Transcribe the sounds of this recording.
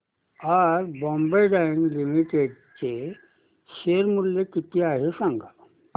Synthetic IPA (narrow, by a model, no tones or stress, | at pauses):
aɾbɔmbejɖajnlimiʈeɽt͡ɕe | ɕeɾmulːjekit̪ʰiaɦesãŋɡa